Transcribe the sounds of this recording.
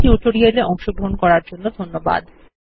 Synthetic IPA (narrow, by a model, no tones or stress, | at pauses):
iuʈoɾieleɔŋʃoɡɾoɦonkɔɾaɾd͡ʑonːod̪ʱonːoba̰d̪